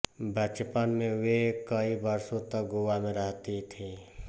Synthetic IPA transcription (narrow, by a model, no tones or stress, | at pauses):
bʱət͡ʃpənmẽʋekəibəɾsõt̪ək̚ɡʊʋamẽɾəɦt̪it̪ʰiː